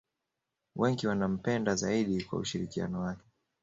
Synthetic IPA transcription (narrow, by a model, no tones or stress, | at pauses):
wɛŋɡiwanam̩pɛndazaiɗikwa̰uʃiɾikia̰nɔwakɛ̥